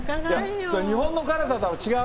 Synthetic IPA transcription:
ja | sɲiɦõ̞nːokaɾat̪at̪amot͡ɕiɡa

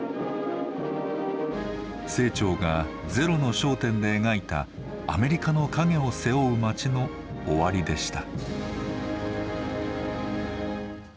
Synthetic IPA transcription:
se̞ːt͡ɕo̞ːɡa | d͡ze̞ɾo̞no̞ɕo̞ːt̪ẽ̞nd̪e̞ːɡait̪a̰ː | me̞ɾʲikano̞kaɡe̞o̞se̞o̞ɯmat͡ɕino̞ː | βaɾʲid̪e̞ɕi̥t̪a

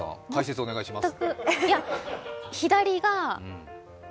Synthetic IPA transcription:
ã̰t̪aise̞t͡sɨo̞ne̞ɡaiɕimast̪ːakɯja | çid̪aɾʲiɡã

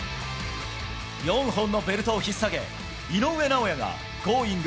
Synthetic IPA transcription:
jʌŋɦonːobeɾɯt̪ʰoçisaɡḛ | inowe̞naojaŋa̰ | koiŋɡ

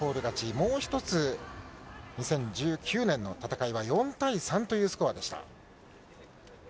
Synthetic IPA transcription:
o̞ːɾɯ̟ɡat͡ɕimo̞ːçi̥t̪o̞t͡sɨ | ɲ̟isẽ̞ɲ̟d͡ʑɨːkʲɨːnẽ̞nːo̞t̪at̪akaiβajõ̞nt̪aisãnt̪o̞jɯ̟ːsɨ̥koβad̪e̞ɕi̥t̪a̰

